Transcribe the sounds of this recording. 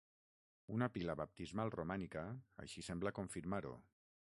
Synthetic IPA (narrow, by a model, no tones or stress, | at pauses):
unapilaβap̚t̪izmalˠromanikəə̰ʃisɛmbləkoɱfiɾmaɾṵ